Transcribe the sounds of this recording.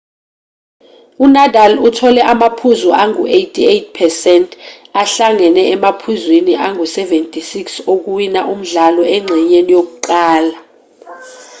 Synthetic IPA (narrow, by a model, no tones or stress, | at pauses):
unadʱalutʰɔlɛʔamapʰuzɔʔaŋṵʔejtʰiejt̚ʰpʰɛsɛntʼʰ | aɬaŋɛnɛɛmapʰuzwiniʔaŋusɛvɛntʼisiksok̬uwinaʔum̩ɮalɔɛŋ͡ǀʱɛɲenijok̬uǃaːla